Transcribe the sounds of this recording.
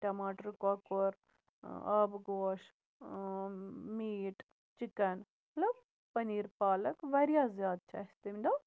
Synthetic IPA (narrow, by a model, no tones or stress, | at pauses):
ʈɐmaːʈɐɾkokoɾ | ɐːbɡoːʂ | miːʈ | t͡ʃikɐn | ɐlo | pɐniːɾpaːlɐkʋɐɾjaːzjaːd̪t͡ʃḛːst̪ɐmd̪oː